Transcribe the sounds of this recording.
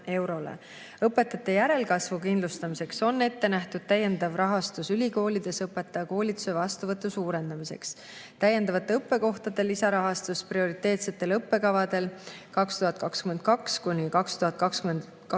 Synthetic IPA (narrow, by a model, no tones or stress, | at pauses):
e̞wɾo̞lḛ | ɤpːˑe̞t̪ːˑɑt̪ːˑe̞jæɾe̞lkɑsvukind̪lust̪ɑmise̞kso̞nːe̞t̪ːe̞næht̪ud̪̥̚t̪æje̞nd̪̥ɑvrɑɦɑst̪usylʲiko̞ːlʲid̪̥e̞sɤpːˑe̞t̪ːˑɑjɑko̞ːlʲit̪ːˑu̥se̞vɑst̪uvɤt̪ːˑusuːɾe̞nd̪̥ɑmise̞̰ks | t̪æje̞nd̪ɑvɑt̪ːˑe̞ɤpːe̞ko̞ht̪ɑd̪e̞lisɑɾɑɦɑst̪usprio̞ɾit̪ːe̞ːt̪set̪ːˑe̞lɤpːe̞kɑvɑd̪e̞lkɑkst̪uɦɑt̪̚ˑkɑkskyme̞nd̪̥̚kɑkskunʲikɑkst̪uɦɑt̪̚ˑkɑkskymen | k